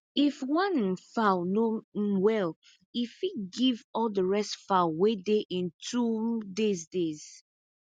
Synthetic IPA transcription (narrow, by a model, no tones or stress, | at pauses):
ifwãnnfaʊnowɛl | ifiɡivɔldəɹɛstfaʊwedeʔĩntʰudezdez̥